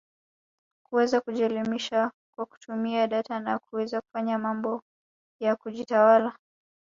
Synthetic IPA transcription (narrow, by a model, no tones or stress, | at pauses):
kuɛzakuʄɛlimiʃa | kwaku̥tʰumiaɗatanakuwɛzaku̥faɲamambɔ | jakuʄitawala